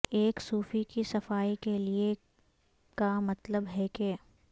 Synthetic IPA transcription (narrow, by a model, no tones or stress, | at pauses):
eːksuːfikisɐfaːikelie | kamɐt̪ləbɦɛke